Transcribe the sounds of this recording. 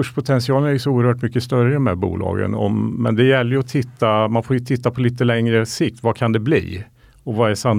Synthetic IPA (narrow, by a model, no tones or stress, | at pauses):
ʂpʰʊt̪ʰɛnsɪɑːlənæjsɔuːəɾhœːʈmʏkːəst̪œɾəd̪ɔmhæ̰ːɾbṵːlʔɑ̰ːɡə̰nɔ̰mːɛ̰nd̪ɛjɛlːəjɵɔt̪ʰɪt̪ːamanfoːɾjɵt̪ʰɪt̪ːapʰɔliːt̪ːəlɛŋɾəsɪk̚t̪vakʰand̪ɛblḭː | ɔvaɛʂam